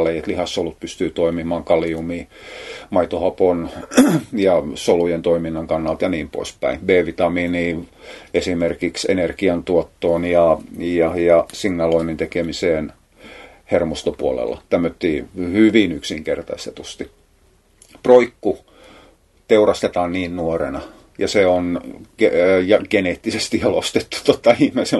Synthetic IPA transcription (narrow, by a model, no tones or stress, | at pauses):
leiet̪lihɑsːolut̪̚pyst̪yːt̪oimimɑːŋkɑliumiːmɑit̪ohɑpon | jɑsolujent̪oiminːɑŋkɑnːɑlt̪jɑniːmpo̰ispæ̰inbeːʋit̪ɑmiːniːesimerkiksḛnerkiɑnt̪uot̪ːoːnjɑjɑjɑsiŋːɑloinint̪ekemiseːn | hermost̪opṵolḛlːɑ̰t̪æmːøt̪ːiːhyʋinyksiŋkert̪ɑ̰st̪et̪ust̪i | proikːu | t̪eurɑst̪et̪ɑːnniːnnuorenɑ | jɑseonejɑɡ̥eneːt̪ːisest̪ijɑlost̪et̪ːu̥t̪ot̪ːɑihmese